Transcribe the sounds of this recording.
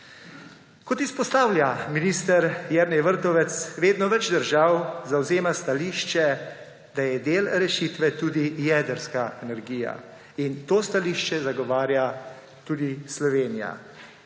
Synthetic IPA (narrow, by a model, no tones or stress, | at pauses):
kɔt̪ispɔst̪aːwlʲjaminiːst̪əɾjɛɾnɛjʋəɾt̪ɔʋɛt̪sʋeːd̪nɔʋɛd͡ʒd̪əɾʒawzawzeːmast̪aliːʃt͡ʃɛ | d̪ajɛd̪eːlɾɛʃiːt̪ʋɛt̪uːd̪ijɛːd̪əɾskaɛnɛɾɡiːja̰ | int̪oːst̪aliːʃt͡ʃɛzaɡɔʋaːɾja | t̪uːd̪islɔʋeːnija̰